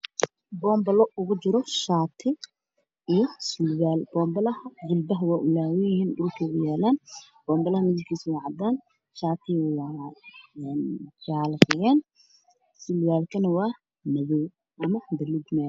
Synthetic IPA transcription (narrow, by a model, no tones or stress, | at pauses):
bɔːmbɐlɔʔʊɣʊt͡ʃɪɾɔʃaːt̪ʰɪ | ijɔsʊlwaːlb̥ɔːmbɐlɐhɐd͡ʒʊlbɐɦɐwaːʔʊlaːwɪjɪhiːnɖʊlkʰɐʊɣʊjaːlaːn | b̥ɔːmbɐlɐhɐmɪðɪɡkʰiːswajʕɑd̪aːn | ʃaːt̪ʰɪwɑ | ɛːnd͡ʒaːltɐɣɛːn | sɪlwaːlkʰɐnɐwɑː | nɐðɔw | ʔɐmɐd̪ɐlɪd̪naː